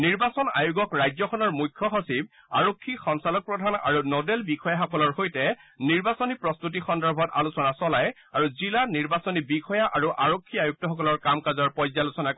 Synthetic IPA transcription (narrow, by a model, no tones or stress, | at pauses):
niɹbasɔna̰juɡɔkɹajzɔxʰɔnɔɹmujkʰːɔxɔsib̚ | aɹokʰːixɔŋsalɔk̚pɹɔdʱana̰ɹunodelbixʰɔjaxɔkɔlɔɹhojtɛniɹbasɔnipɹɔstut̬ixɔndɔɹbʱɔta̰lusɔnasɔlaj | aɹuzilaniɹbasɔnibixɔjaʔaɹuʔaɹokʰːiajuk̚tɔxɔkɔlɔɹkamkazɔɹpɔjzalusɔnak